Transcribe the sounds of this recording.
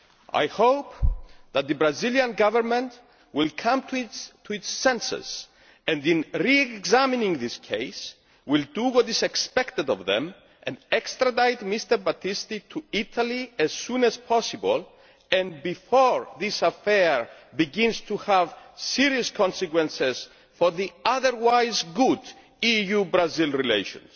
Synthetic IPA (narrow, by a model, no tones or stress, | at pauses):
a̰jhowpðat̪̚ðɨbɾaziljãnɡavəɹmɛ̃nt̪ | wilkʰʌ̃mt̪ʰt̪ʰuisːɛ̃nsɛ̰s | ɛ̃ndĩnɹiɛɡzaminĩŋðiskʰejs | wild̪uwɔt̪izɛkspɛkt̪əd̪ɔvðɛ̰̃m | ʔɛ̃nd̪ɛkst̪ɾad̪ajt̪mist̪əɹbat̪ʰist̪it̪ʰuit̪ʰaliɛz̥sũnɛzpʰɔsibol | ɛ̃nbifɔɹðisafɛɹbiɡĩnz̥t̪ʰuhævsiɾiuskʰɔ̃nsɛkwɛ̃nsez̥ | foɹðiaðəɹwajzɡud | ijubɾazilɹilḛjʃɔ̰̃ns